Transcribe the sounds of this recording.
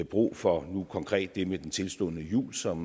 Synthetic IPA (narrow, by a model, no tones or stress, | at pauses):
b̥ʁṵːfɒ̽nukʰɒ̽ŋkʰʁɛ̰ːd̥ːe̝med̥ent͡sʰe̝lsd̥ɔ̰̽ðnəjṵːlsɒ̽m